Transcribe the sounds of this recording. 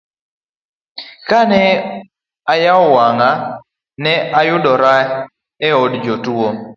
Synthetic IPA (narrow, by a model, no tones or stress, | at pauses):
kanɛ | ajaɔwaŋa | nɛʔajʊɗɔɾa | ɛɔdd͡ʒɔtuo